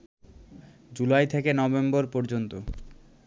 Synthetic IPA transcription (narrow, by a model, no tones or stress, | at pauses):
d͡ʑulajt̪ʰekenɔbemboɾpɔɾd͡ʑont̪o